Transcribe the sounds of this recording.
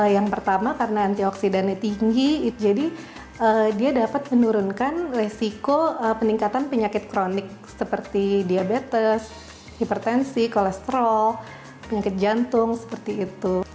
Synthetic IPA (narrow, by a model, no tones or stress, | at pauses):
jaŋpərt̪amakaɾənaːnt̪iɔksidanat̪iŋɡiːtd͡ʒadi | ədiadapat̪̚mənuɾʊnkanresikoəpəniŋkat̪anpəɲakɪt̪̚kɾonɪk̚səpərt̪idiabet̪əs | hipərt̪ɛnsikolɛst̪əɾɔl | pəɲakɪt̪̚d͡ʒant̪ʊŋsə̥pərt̪iːt̪u